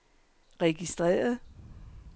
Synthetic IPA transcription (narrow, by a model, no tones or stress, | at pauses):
ʁɛɡ̥isd̥ʁɛ̰ːɐðˠ